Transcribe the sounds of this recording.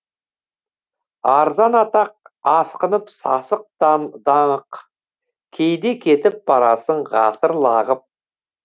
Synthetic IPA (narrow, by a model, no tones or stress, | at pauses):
ɑɾzɑnɑt̪ɑq̚ɑsqənəpsɑ̰səq̚t̪ɑnd̪ɑɴəq | kʲʰejd̪e̞kʲʰe̞t̪ɪp̚bɑɾɑsəɴʁɑsəɾlˠɑʁəp̚